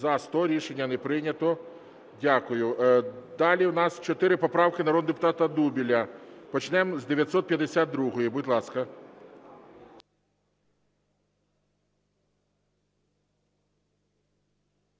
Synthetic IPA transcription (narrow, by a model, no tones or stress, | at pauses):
zɐst̪ɔɾʲiʃenʲːɐnɛpɾɪnʲɐt̪ɔ | dʲakʊjʊd̪ɑlʲiwnɑst͡ʃɔt̪ɪɾɪpɔpɾɑwkɪnɐɾɔd̪nd̪epʊt̪ɑt̪ɐd̪ubʲilʲɐpɔt͡ʃnɛmzd̪eʋʲjɐt̪ʲsɔt̪̚pʲjɐd̪esʲad̪d̪ɾuɦɔjibʊdʲtʲlˠɑskɐ